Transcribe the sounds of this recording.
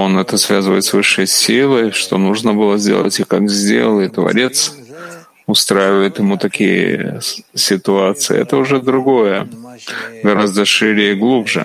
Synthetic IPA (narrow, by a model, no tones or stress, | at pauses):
o̞nɛt̪əsvʲazɨvə̰jɪt̪svɨʂːəjsʲilˠəjʂt̪o̞nuʐnəbɨlˠəzʲdʲḛlˠə̰tʲɪkakzʲdʲelˠəjɪt̪ːvɐ̰ɾʲe̞t̪s | ʊst̪ɾajɪvəjɪt̪jɪmut̪ɐkʲijə̰sʲɪt̪ʊat̪sɨɪ̰ɛ̰t̪əʊʐɛd̪ɾʊɡo̞jə | ɡɐɾazd̪əʂɨɾʲɪjəɡlˠubʐɨ̰